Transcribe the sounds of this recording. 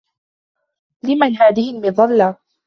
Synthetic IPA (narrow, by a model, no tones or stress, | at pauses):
lɪmanɦaːðɪhɪlmɪðˤɑlːa